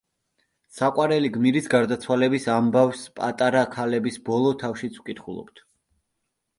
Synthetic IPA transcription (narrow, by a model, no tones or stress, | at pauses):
saqʼwaɾɛliɡmiɾisɡaɾd̪at̪sʰwalɛbisambavspʼa̰t̪ʼaɾakʰalɛbisbɔlˠɔt̪ʰafʃit̪sʰukʼit̪ʰχulˠɔ̰pt̪ʰ